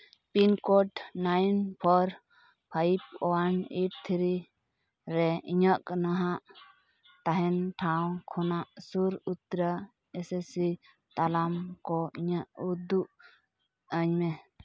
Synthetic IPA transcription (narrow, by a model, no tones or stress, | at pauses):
pinkɔʈnajnpʰɔɾ | pʰaip̚ɔaniʈ̚t̪ʰiɾi | ɾɛiɲəʔkanaɦaʔ | t̪aɦɛnʈʰaw̃kʰɔnaʔsuɾut̪ɾə | ɛsɛsi | t̪alamkɔiɲaʔud̪uʔ | əɲmɛ